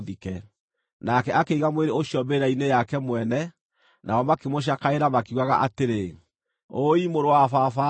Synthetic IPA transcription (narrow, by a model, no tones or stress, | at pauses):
ðikɛ | nakɛakeiɣamweɾeoɕiɔmbeɾainejakɛmwɛnɛ | nʔaɔmakemoɕ̬akaeɾamakiuɣaɣa̰ʔateɾe | oimoɾowafafa